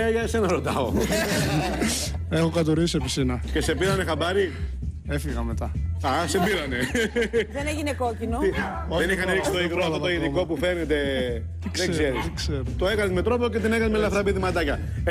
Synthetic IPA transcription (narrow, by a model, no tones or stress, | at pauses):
jɐsenɐɾo̞t̪ɐo̰ | exokɐt̪oɾisepisinɐce̞se̞piɾɐnexabɐɾi | efiɣɐmet̪ɐɐsepiɾɐne̞ðeneʝinekocinoi | ðenixɐneɾiksit̪oiɣɾoafot̪oiðiko̞pufe̞ne̞t̪e̞ | ðezeɾiskseɾt̪oe̞kɐnezme̞t̪ɾo̞poce̞t̪̬inekɐnmeliɐfɾɐpeðimɐt̪ɐcɐ